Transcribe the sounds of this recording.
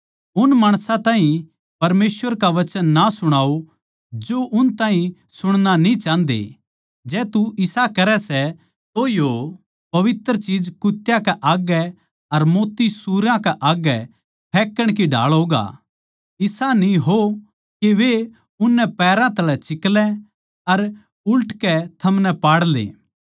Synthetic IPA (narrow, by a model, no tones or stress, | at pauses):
ʊnmaːɽ̃sãt̪ãːɦĩ | pɐɾmeːsʋəɾkaʋɐt͡ʃənːasʊɽ̃aːo | d͡ʒoʔʊnt̪ãːɦĩ | sʊɽ̃nanĩt͡ʃãːnd̪ḛ | d͡ʒɛːt̪uʔɪsakɐɾɛsɛ | t̪ojo | pɐʋɪt̪əɾt͡ʃiːd͡ʒkʊt̪jakɛʔaːɡɛ | ɐɾmoːt̪ːisuːɾãkɛʔaːɡɛ | pʰɛːkːəɽ̃k̬iɖʱa̰ːɭɦoːɡa̰ | ɪsanĩɦo | keʋe | ʊnːɛpɛːɾãt̪ɐlɛt͡ʃɪklɛ | ɐɾ | ʊlʈkɛt̪ʰɐmnɛpaːɽlḛː